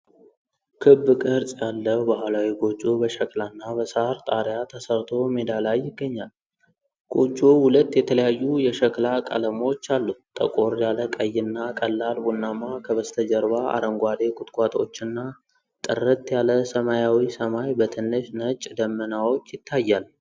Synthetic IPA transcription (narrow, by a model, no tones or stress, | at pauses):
kʰɨbːɨkʼɨɾsʼjalːəhbahlawiɡo̞t͡ʃʼːobəʃəkʼlanːabəsəɾt̪ʼaɾjat̪ʰəsəɾt̪ʰo̞med̪alajːɪɡːəɲːal | ɡ̥ot͡ʃʼːohulət̪ːjɛt̪ʰələjajːujɛʃəkʼlakʼə̰ləmo̞t͡ʃːalːut̪ʼə̰kʼo̞ɾjaləkʼəjːɪnːakʼəlːalbunːamakʰəβəst̪ʰəd͡ʒəɾβaa̰ɾəŋɡʷad̪e̞kʼʊt̪ʼkʷʼat̪ʼo̞̰t͡ʃːɪnːa | t̪ʼɨ̰rɨt̪ːjaləsəmajawisəmajbət̪ʰɨnːɨʃnət͡ʃʼːd̪əmːənawo̞t͡ʃːjɪt̪ʰːajːal